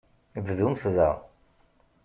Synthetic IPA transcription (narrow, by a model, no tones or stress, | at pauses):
vðumθðæ̰